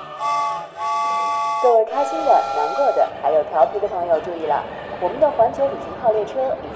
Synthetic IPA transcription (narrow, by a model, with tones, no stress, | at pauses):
t͡se˥˩kʰa˥ɪɕi˥nd̪ə˨na˧˥nkwɔ˥˩d̪ə̰˩xa˧˥ɪjo˨˩ʊt̪ʰjɑ˧˥ʊpʰi˧˥d̪ə˧pʰɤ˧˥ŋjo˥˧ʊʈ͡ʂu˥˧i˥˩lə̰˩ | wɔ˨˩mə˧˦nd̪ə˨˩xwa˧˥nt͡ɕʰjo˧˥ʊi˨˩t͡ɕi˥ŋxʰɑ˥˧ʊljɛ˥˩ʈ͡ʂʰɤ˥